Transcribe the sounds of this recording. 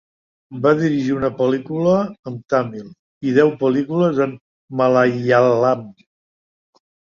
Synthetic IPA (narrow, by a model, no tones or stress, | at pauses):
baðiɾiʒiunəpəlikuləːmt̪amilˠ | iðɛwpəlikuləzəmː | əlaalam